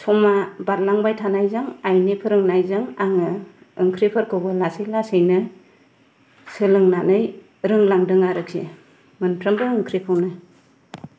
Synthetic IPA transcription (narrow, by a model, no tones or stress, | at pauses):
sɔmabat̚laŋbajtʰanajzaŋajnipʰɯɾɯŋnajzaŋaŋɯ | ɯŋkʰɾipʰɯɾkʰɯwɡɯlasɯjlasɯjnɯ | sɯlɯŋnanɯj | ɾɯŋlaŋdɯŋaɾɯk̚sḛ | mɯnpʰɾɯmbɯɯŋkʰɾipʰawnɯ